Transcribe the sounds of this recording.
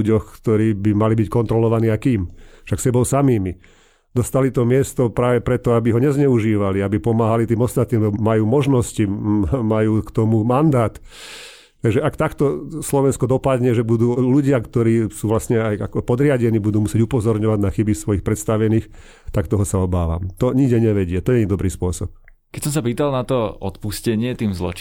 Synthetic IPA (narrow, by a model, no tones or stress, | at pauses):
uɟɔxkt̪ɔɾiːbimalibickɔnt̪ɾɔlɔʋaniːajkiːmʃaksɛbɔʊsamiːmi | d̪ɔst̪alit̪ɔmɪɛst̪ɔpɾaːʋɛpɾɛt̪ɔabiɦɔɲɛzɲɛuʒiːʋaliabipɔmaːɦalit̪iːmɔst̪at̪nimlɛmajuːmɔʒnɔscimajuːkt̪ɔmumand̪aːt̪ | t̪aɡʒɛakt̪akt̪ɔslɔʋɛnskɔd̪ɔpad̪ɲɛʒɛbud̪uːluɟɪakt̪ɔɾiːsuːʋlasɲɛajakɔpɔd̪ɾɪaɟɛniːbud̪uːmusjɛɟupɔzɔɾɲɔʋaɟnaxibisʋɔjixpɾɛt̪st̪aʋɛniːx | t̪akt̪ɔɦɔsaɔbaːʋa̰mt̪ɔɲiɡɟɛɲɛʋɛɟɪat̪ɔjɛɛɲid̪ɔbɾiːspʊɔsɔp̚ | kɛcsɔmsapiːt̪alnat̪ɔɔ̰t̪puscɛɲɪɛt̪iːmzlɔ̰t͡ʃ